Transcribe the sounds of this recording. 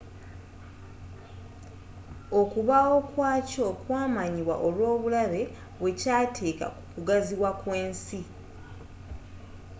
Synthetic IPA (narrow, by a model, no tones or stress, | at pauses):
o̞kuβao̞kwaːco̞kwaːmaɲiβwa̰ʔolwo̞ːβulaβe̞ | βwe̞caːtʰe̞ːka̰kukuɡaziβwakwe̞ːnsi